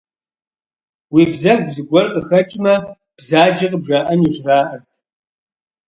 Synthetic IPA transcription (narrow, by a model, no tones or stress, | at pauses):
wiːbzɐxɡzɨɡʷɔrqʼəxɐt͡ʃʼmɐ | b̥zaːd͡ʒɐqʼəbʒaːʔɐniʒraːʔɐrtʰ